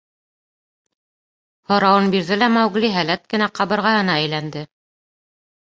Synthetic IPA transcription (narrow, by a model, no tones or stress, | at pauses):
hŏɾɑwɤnbiɾðɘlæmɑwɡliɦælæt̪̚kɘ̆næqɑβɤ̆ɾʁɑhɤ̆nɑæjlænd̪ɘ